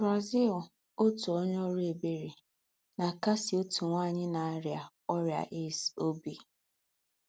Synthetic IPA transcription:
bɾa˨zi˦˨l | o˦tu˨o˦ɲ˦ɔ˦ɾe˨be˦ɾi˨ | na˨ka˦sɪ˨o˦tu˨ŋʷaː˦˨ɲɪ˦na˨a˦ɾja˨ | ɔ˦ɾja̰˨ʔe˦˨so˦bi˨

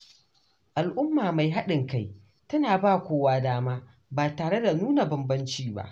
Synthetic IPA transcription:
ʔa˨lʔʊ˦mːaː˨ma˨jɦa˦ɗɪ˨ŋka˦˨j | tɐ˦naː˨baː˦˨kʷoː˦waː˦daː˦maː˦ | baː˨taː˨ɽe˦da˨nuː˦na˨bɐ˨mbɐ˦nt͡ʃiː˦ba̰˦ʔ

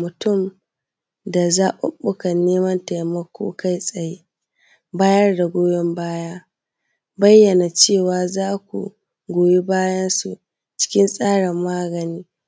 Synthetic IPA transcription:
mʊ˨tʊ˦˨m | da˨zaː˦ʔʊ̰˦ɓʊ˦kɐ˨nːeː˦mɐ˦nta˨jmɐ˦kʷo̰ː˦ka˦jsʼɐ˨je˦ | baː˦jɐ˦rda˨ɡʷoː˦jɔ˦mbaː˦jaː˦ | bɐ˦jːɐ˨na˨t͡ʃeː˦˨waː˨zaː˦kʷṵ˨ | ɡʷoː˨ji˦baː˦jɐ˦nsu˨ | t͡ʃɪ̥˦kʲɪ˦nsʼaː˦ɽɪ˨mːaː˦ɡɐ˨niː˦

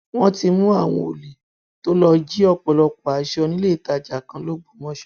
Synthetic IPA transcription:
w̃ɔ̃˦ti˧mũ˦a˦˨w̃ɔ̰̃˧o˨le˨ | to˦lɔ˧d͡ʒi˦ɔ˧k͡pɔ˨lɔ˨˧ku˨a˨˦ʃɔ˧nĩ˦le˦˨ta˧˨d͡ʒa˨kã˧˦lo˦ɡ͡bo˦˨mɔ̃˨˦ʃɛ̥˦

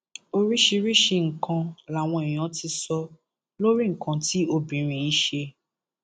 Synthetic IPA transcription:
o˧ɾi˦ʃi˧ɾi˦ʃe˧ŋ̩˨kʰã˧la˨w̃ɔ̃˧i˨j̃ã˨˦ti˧sɔ˧ | lo˦ɾi˦ŋ̩˨kã˧ti˦o˧bĩ˨ɾ̃ĩ˨˦i˨˦ʃe˧

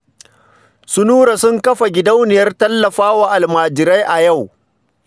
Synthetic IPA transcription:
sʊ˦nuː˦ɾa˨sʊ˦ŋkɐ˦ɸa˨ɡʲɪ˨da˦wnɪ˨jɐ˦rtɐ˦lːɐ˨ɸaː˦waː˦ʔa˨lmaː˨d͡ʒɪ˨ɾa˦jʔa˨ja˦˨w

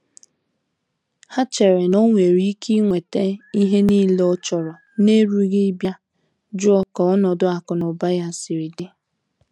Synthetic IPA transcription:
ha˦t͡ʃe˨ɾe˨no˦ŋʷe˨ɾi˦kʰi˦ŋʷe˨te˦i˦ɦe˦niː˦le˦ɔ˦t͡ʃɔ˨ɾɔ˨ | ne˦ɾu˦ɣɪ˦bja˦ | d͡ʒʊ˦ɔ˦kɔ˨ɔ˦nɔ˨dʊ˦a˨kʊ˨nʊ˨ba˦ja˦˨si˨ɾi˨de˦

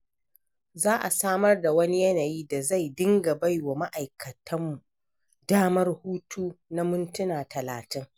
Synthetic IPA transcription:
zaː˦ʔa˨saː˦mɐ˦rda˨wɐ˦ni˦jɐ˦naː˨jiː˦da˨za˦˨jdɪ˦ŋɡa˨ba˦jwa˨ma˦ʔa˨jkɐ˨tʰɐ˦mːu˨ | daː˦mɐ˦rhuː˦tʰuː˦na˦mʊ˦ntʊ˦naː˨tʰɐ˨laː˨tɪ˦ŋ

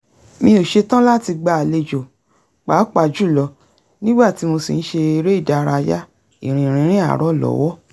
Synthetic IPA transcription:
mĩ˧o˨ʃe˧tã˦la˦˨ti˧ɡ͡ba˧a˨le˧d͡ʒo˨ | k͡pa˨˦k͡pa˨d͡ʒu˦˨lɔ˧ | nĩ˦ɡ͡ba˦˨ti˨˦mo˧sḭ˨n̩˦ʃe˧i˧ɾe˦i˦˨da˧ɾa˧ja˦ | ḭ˦˨ɾ̃ĩ˨ɾ̃ĩ˧˦ɾ̃ĩ˦a̰˦˨ɾɔ˦˨lɔ̰˨˦wɔ˦

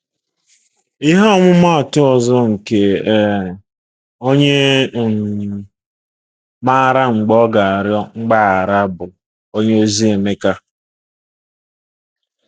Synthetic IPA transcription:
i˦ɦa˦ɔ˦mʊ˦ma˦˨tʊ˦ɔ˨zɔ˦ŋ̩˨ke˦˨ | o˦ɲe˦˨ | ma˦˨ɾa˦ŋ͡m̩˨ɡ͡bɔ˦ɡa˨a˨ɾjɔ˦ŋ͡m̩˦ɡ͡ba˦a˨ɾa˦bʊ˨ | o˦ɲe˦o˦zi˦e˨me˦ka˦

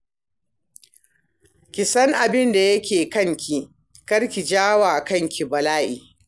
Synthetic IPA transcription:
kʲɪ˨sɐ˦ŋʔa˨bɪ˦nda˨jɐ˦kʲeː˨kɐ˦ŋkʲi˨ | kɐ˦ɽkʲi˨d͡ʒaː˦waː˨kɐ˦ŋkʲi˨bɐ˨laː˦ʔḭː˨

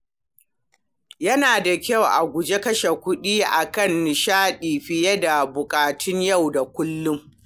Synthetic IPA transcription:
jɐ˦naː˨da˨kʲɐ˦˨wʔa˨ɡʷʊ˨d͡ʒe˦kɐ˦ʃe˨kʷʊ˦ɗiː˦ʔa˨kɐ˦˨nːɪ˨ʃaː˦ɗiː˨ɸɪ˨jɛ˦da˨bʊ˨kʼaː˨tʰʊ˦ɲja˦˨wda˨kʷʊ˦lːʊ˦m

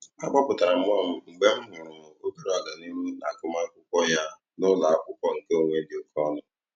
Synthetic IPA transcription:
a˦k͡pɔ˦pʊ˨ta˨ɾa˨m̩˦ɔ˦˨m̩˦ŋ͡m̩˨ɡ͡be˦m̩˦ɦʊ˨ɾʊ˨mʊ˨o˦bi˦ɾo˦a˨ɡa˨ni˦mu˦na˨kʊ˨ma˦kʷʊ˦kʷɔ˦ja˦ | nʊ˦la˨a˦kʷʊ˦kʷɔ˦ŋ̩˨ke˦o˨ŋʷe˦bi˨o˨kʰɔ˦nʊ˦

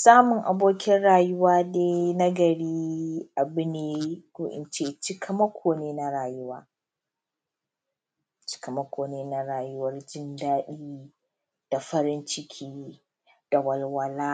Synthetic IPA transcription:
saː˦mʊ˨ŋʔa˨boː˦kʲɪ˦nɽaː˨jʊ˦waː˦deː˦na˦ɡɐ˨ɽiː˦ʔa˨bʊ˦neː˨ɡ̥ʷoː˦ʔɪ̰˨nt͡ʃeː˦t͡ʃɪ˦kʰɐ˦mɐ˦kʷʰoː˨neː˦na˦ɾaː˨jʊ˦waː˦ | t͡ʃɪ̥˦kɐ˨mɐ˦kʷoː˨neː˦na˦ɽaː˨jʊ˦wɐ˦rd͡ʒɪ˦ndaː˦ɗiː˦ | d̥a˨ɸɐ˦ɾɪ˦nt͡ʃɪ˦kʲʰiː˦ | d̥a˨wɐ˨lwɐ˦laː˦

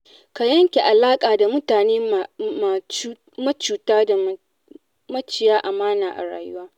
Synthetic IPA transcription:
ka˨jɐ˦ŋkʲe˨ʔa˨laː˦kʼaː˨da˨mʊ˦taː˨neː˦ma˨˦ | mɐ˦t͡ʃuː˨taː˦da˨ | mɐ˦t͡ʃɪ˨jaː˦ʔa˨maː˦naː˨ʔa̰˨ɽa̰ː˨jʊ˦waː˦

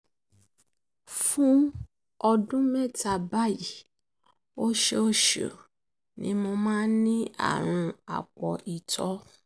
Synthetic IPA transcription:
fũ˦ | ɔ˧dũ˦mɛ˦˨ta˧ba˦˨ji˨ | o˦ʃe˦o˦˨ʃo̰˨ | nḭ̃˨˦mo˧mãː˦nĩ˦a̰˦˨ɾ̃ũ˧a̰˨k͡pɔ˨ʔi˨tʰɔ˨˦

